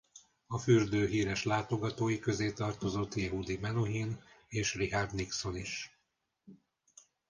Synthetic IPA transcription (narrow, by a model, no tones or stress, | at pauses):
ɒfyrd̪øːɦiːɾɛʃlaːt̪o̞ɡɒt̪oːjikø̞zeːt̪ɒrt̪o̞zo̞t̪ːjɛɦud̪imɛnoɦineːʃrihard̪nikso̞niʃ